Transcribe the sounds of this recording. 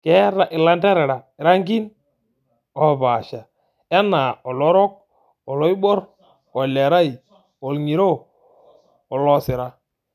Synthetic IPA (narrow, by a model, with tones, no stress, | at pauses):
kɛ˦ɾa˦˨ʔɪ˨la˦nda˦ɾɛ˨ɾa˨ɪ˨ɾa˦ŋɡi˦n | ɔ˨βa˨ʃa˨ | a˦na˨ɔ˨lɔ˦ɾɔ˦k̚ | ɔ˨lɔ˦i˦bɔ˦ɾ | ɔ˨le˨ɾa˦i˨ | o˨lŋi˨ɾo˦ | ɔ˨lɔ˦sɪ˨ɾa˦